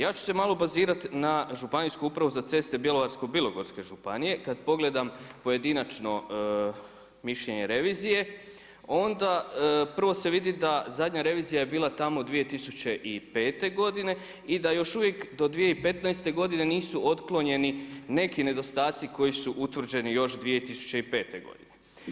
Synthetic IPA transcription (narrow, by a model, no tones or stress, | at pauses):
jaːt͡ɕu̥se̞maːlo̞baziːɾat̪naʒupaniskuupɾaʋuzat̪e̞st̪e̞bjeloʋaɾsko̞bilˠo̞ɡo̞ɾske̞ʒupa̰nije̞kad̪po̞ɡle̞d̪ampo̞je̞d̪inat͡ʃno̞ | miʃʎe̞ɲe̞ɾe̞ʋiːzije̞ | o̞nd̪apr̩ʋo̞se̞ʋid̪id̪azad̪ɲaɾe̞ʋiːzijaje̞biːlˠat̪amo̞d̪ʋije̞t̪isut͡ɕe̞ʔipe̞ːt̪e̞ɡo̞d̪ine̞ | id̪ajo̞ʃuʋje̞kd̪o̞d̪ʋije̞ipe̞t̪najst̪e̞ɡo̞d̪ine̞niːsuʔo̞t̪klˠo̞ɲe̞nine̞kine̞d̪o̞st̪aːt̪siko̞jisuʔut̪ʋr̩d͡ʑe̞nijo̞ʃd̪ʋije̞t̪isu̥t͡ɕe̞ipe̞ːt̪e̞ɡo̞̰d̪ine